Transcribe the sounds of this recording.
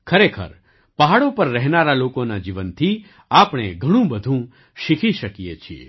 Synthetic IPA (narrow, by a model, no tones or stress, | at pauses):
kʰəɾekʰə̰ɾ | pəɦaɭopəɾːɛɦnaɾalokonad͡ʒiʋənt̪ʰi | apɽ̃eɡʱəɽ̃ũbəd̪ʱũ | ʃikʰiʃəkijet͡ʃʰiḛ